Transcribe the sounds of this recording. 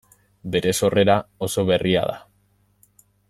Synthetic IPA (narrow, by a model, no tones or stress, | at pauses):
be̞ɾe̞so̞re̞ɾao̞so̞βe̞ria̰ða̰